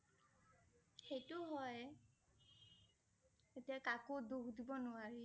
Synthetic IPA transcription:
xejtʊɦɔj | etiakakodukdibɔnʊaɹi

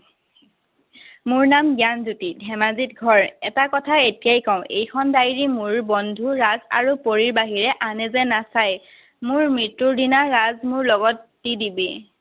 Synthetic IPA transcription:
mʊɹnamɡjanzutidʱɛmazitɡʱɔɹɛtakɔtʰaetijajkɔʊ̃ʔḛjkʰɔndajɹimʊɹbɔndʱuɹaza̰ɹupoɹiɹbaɦiɹɛʔanɛzɛnasaj | mʊɹmɹitːuɹdinaɹazmʊɹlɔɡɔtːidibi

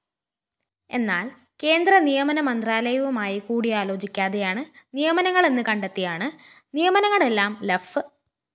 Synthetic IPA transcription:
e̞nːaːl | ke̞ːnd̪rɐnijɐmɐnɐmɐnd̪raːlɐjɐʋumaːjikuːɽiaːlo̞ːd͡ʑikʲːaːðejaːɳɨnijɐmɐnɐŋːɐɭe̞nːɨkɐɳɖet̪ːijaːɳɨ | nijɐmɐnɐŋːɐɭe̞lːaːmlefɨ

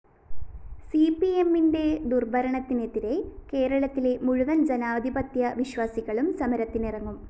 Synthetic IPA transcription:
siːpːie̞mːinde̞d̪urbʱɐɾɐɳɐt̪ːine̞t̪ːiɾe̞ke̞ːɾɐɭɐt̪ːile̞muɻuʋɐnd͡ʑenaːʋɐd̪ʱibɐt̪jɐʋiɕʋaːsiɣɐɭumsɐmɐɾɐt̪ːinirɐŋːum

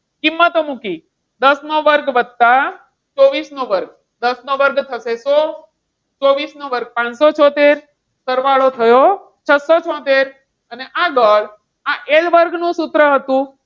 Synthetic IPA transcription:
kimːət̪omũki | d̪əsnoʋəɾɡʋəd̪̚t̪a | t͡ʃoʋisnoʋəɾɡ̚ | d̪əsnoʋəɾɡt̪ʰəseso | t͡ʃoʋisnoʋəɾɡ̚pãnsot͡ʃʰɔt̪eɾ | səɾʋaɭot̪ʰəjo | t͡ʃʰəsot͡ʃʰɔ̃t̪eɾ | əneʔaɡəɭ | ãʔelʋəɾɡnũsut̪ɾəɦət̪ũ

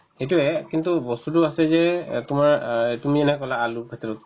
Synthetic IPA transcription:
hetuɛkint̪ubɔst̪uduasɛzɛt̪umaetumid͡ʒɛnkɔlaːlubʰʱɛt̪ɔɾut̪̚

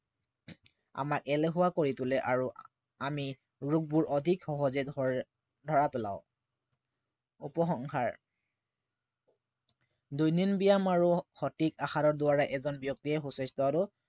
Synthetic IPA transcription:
a̰mak̚ɛlɛɦʊwakoɹitʊlɛʔaɹu | ami | ɹuk̚buɹʔɔdʱikxɔɦɔzɛ | dʱɔɹapɛla̰ʊ̃ | upɔxɔŋkʰaɹ | dujninbijamaɹuxɔtikaxaɾɔɹdʊwaɹaʔɛzɔnbjɔk̚tiɛxusɛstɔaɹu

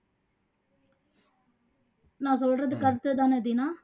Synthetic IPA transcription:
nãːsɔlrɐðɯkɐɾɯt̪ːɯt̪aːnɛd̪iːnaː

